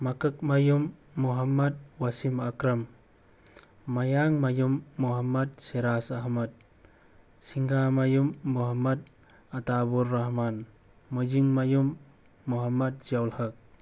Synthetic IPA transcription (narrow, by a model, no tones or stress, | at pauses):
makɐk̚majumːuɦɐmːɐt̚wasimakɾɐm | mɐjaŋmajumːuɦɐmːɐt̚seɾasaɦmɐt̚ | siŋɡamajumːuɦɐmɐd̚ | ɐtabuɾːaɦman | mud͡ʒiŋmajumː | uɦɐmːɐt̚zijawlhɐk̚